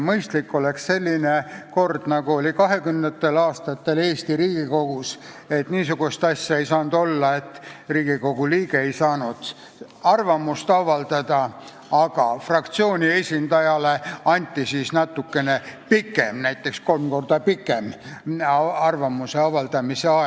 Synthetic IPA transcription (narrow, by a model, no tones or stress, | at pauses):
mɤjst̪likːo̞leksse̞lʲːineko̞rd̪̥nɑɡuo̞lʲikɑɦe̞kymnet̪ːe̞lɑːst̪ɑt̪ːe̞le̞ːst̪iɾiːɡ̥iko̞ɡ̥us | e̞t̪niːsuɡ̥ust̪ɑsʲjɑejsɑːnd̪̥o̞lːɑe̞t̪ːriːɡ̥iko̞ɡ̥uliːɡeejsɑːnud̪̥ | ɑrvɑmust̪ɑvɑld̪ɑd̪̥ɑ | ɑɡ̥ɑfrɑkt̪sio̞ːnʲie̞sʲind̪̥ɑjɑle̞ɑnʲt̪ːˑisisnɑt̪ːukːe̞ne̞pikːˑemnæjt̪ːˑe̞ksko̞lmko̞rd̪̥ɑpikːˑem | ɑrvɑmuse̞ɑvɑld̪̥ɑmise̞ɑ